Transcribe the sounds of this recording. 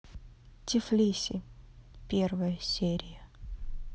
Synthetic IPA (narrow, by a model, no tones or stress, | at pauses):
tʲɪflʲisʲɪpʲervəjəsʲeɾʲɪjə